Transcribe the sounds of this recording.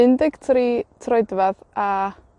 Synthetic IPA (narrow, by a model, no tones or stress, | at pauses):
ɪndɪɡ̥tʰriːtʰrɔɨdvaða